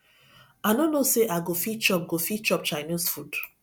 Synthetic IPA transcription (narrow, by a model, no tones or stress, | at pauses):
anonoseʔaɡofit͡ʃɔp̚ɡofit͡ʃɔp̚t͡ʃaɪnisfud̥